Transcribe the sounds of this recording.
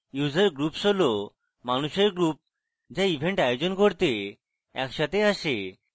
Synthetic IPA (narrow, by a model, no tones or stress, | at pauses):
juzaɾɡɾupʃɔlo | manuʃeɾɡɾup̚ | d͡ʑaibʱeɳʈajod͡ʑonkoɾt̪e | ɛ̰kʃat̪ʰeaʃe